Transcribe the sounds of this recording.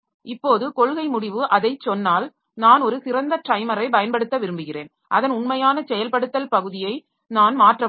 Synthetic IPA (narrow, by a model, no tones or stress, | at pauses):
ɪpːoːðɯkɔɭɣɐɪmʊɽɪʋɯʔɐðɐɪt͡ʃːɔnːaːl | naːnɔɾɯsɪɾɐnd̪ɐʈɾɐɪmɐɾɐɪp̬ɐjɐnpɐɽɯt̪ːɐʋɪɾɯmbɯɣɪrḛːn | ʔɐðɐnʊnmɐjaːnɐsɛjɐlpɐɽɯt̪ːɐlpɐɣɯðɪjɐɪ | naːnmaːʈrɐ